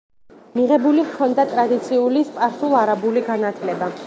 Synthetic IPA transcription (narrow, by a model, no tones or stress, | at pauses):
miʁɛbulikʰɔnd̪at̪ʼɾad̪it̪sʰiulispʼaɾt̪ulˠaɾabuliɡanat̪ʰlɛba